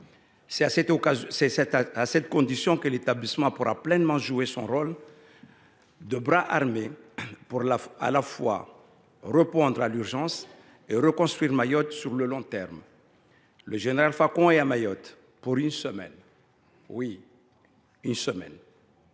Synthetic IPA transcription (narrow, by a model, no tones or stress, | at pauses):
sɛsɛt̪azsɛɛt̪asɛt̪̚kɔ̃d̪isjɔ̃kəlet̪ablismɑ̃puʁa̰plɛnmɑ̃ʒuesɔ̰̃ʁɔl | d̪əbʁaʔaʁmepuʁlaa̰lafwa̰ | ʁəpɔ̃d̪ʁalyʁʒɑ̃s | eʁəkɔ̃st̪χwiʁmajɔt̪syʁləlɔ̃t̪ɛʁm | ləʒeneʁalfakɔ̃ɛamajɔt̪ | puʁynsəmɛ̰n | wi | ynsəmɛ̰n